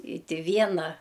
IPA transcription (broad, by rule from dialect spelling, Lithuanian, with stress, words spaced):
ɪ ˈtʲɪ ˈʋʲiɛnɐ